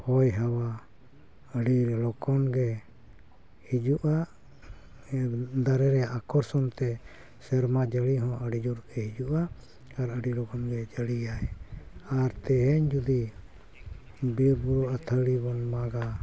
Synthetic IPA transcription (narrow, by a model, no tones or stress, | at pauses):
hɔjɦawa | əɽiɾlɔkɔnɡɛ | hid͡ʒuʔaʔ | d̪aɾɛɾɛakɔɾsɔnt̪ɛ | sɛɾmad͡ʒəɽiɦɔ̃ʔəɽid͡ʒuɾɡɛhid͡ʒuʔa | aɾəɽilɔkɔnɡɛd͡ʒəɽijajaɾt̪ɛɦɛɲd͡ʒud̪i | biɾbuɾɔʔat̪ʰəɽibɔnmaɡa